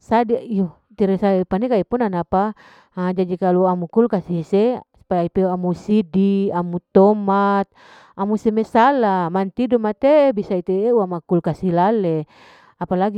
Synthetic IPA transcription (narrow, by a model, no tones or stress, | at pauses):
sadiio | t̪iɾesapanekaipɔnanapa | d͡ʒad͡ʒikaluamukulkasisesu̥pajaipeamusidiamut̪ɔmat̪̚ | amusemesalamant̪idɔmat̪ebisait̪eeuamakulkasilale | apalaɡi